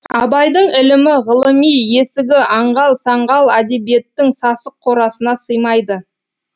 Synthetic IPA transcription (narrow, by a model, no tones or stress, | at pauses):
ɑbɑjd̪əɴɪlɪmɪʁəlˠəmijje̞sɪɡʲɪʔɑɴʁɑlˠsɑɴʁɑlˠæd̪ebije̞t̪ːɪŋsɑsəqʰːo̞ɾɑsənɑsəjmɑjd̪ə